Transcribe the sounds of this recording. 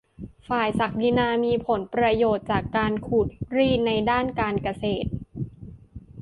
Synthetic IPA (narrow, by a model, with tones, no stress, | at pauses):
faː˨˩jsa˨˩k̚di˧naː˧miː˧pʰo˩˦npɾa˧joː˨˩t̪̚t͡ɕaː˨˩kːaː˧nkʰuː˨˩t̪̚ɾiː˥˩na˧jdaː˥˩nkaː˧nka˧seː˨˩t̪̚